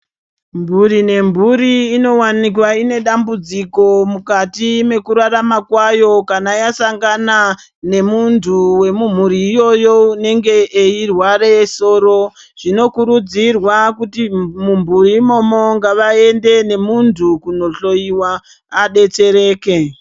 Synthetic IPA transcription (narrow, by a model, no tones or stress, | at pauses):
mbʱuɾine̞mbʱuɾiːno̞wanik̬waine̞ɗambud͡ziko̞mukatime̞kuɾaramakwajo̞kanajasaŋɡana | ne̞muntʰuwe̞mum̤uɾiːjo̞jo̞une̞ŋɡe̞eirwaɾe̞so̞ːɾo̞ | ʐ̥ino̞kuɾud͡zirwakutimumbʱuɾimo̞mo̞ŋɡaʋae̞nde̞ne̞muntʰukuno̞ɬo̞iwaː | ɗe̞t͡se̞ɾe̞ːke̞